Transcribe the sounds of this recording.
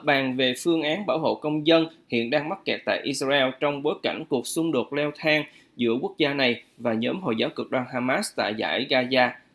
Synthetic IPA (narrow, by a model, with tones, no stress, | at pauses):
ɓaː˨˩ŋve˨˩fɨ˧əŋʔaː˨˦nɓaː˧˩who̰˧˨kə˧wŋ͡mzə˧nhḭ˧˨ənɗaː˧ŋma˦˥t̚kɛ˨˩t̚t̪a̰ː˧˨jʔi˧sraː˧ɛ˧lt͡ɕɔ˧wŋ͡mɓo˨˦jka˧˩jŋ̟ku˨˩ək̚sʊ˧ŋ͡mɗo˨˩t̚lɛ˧wt̪ʰaː˧ŋ | zɨ̰˧˥əku˦˥ək̚zaː˧na˨˩jvaː˨˩ɲəː˨˦mɦo̰˧˨jzaː˨˦wkɨ˨˩ək̚ɗwaː˧nɦaː˧maː˦˥st̪a̰ː˧˨jza̰ː˧˥˩jɣaː˧zaː˧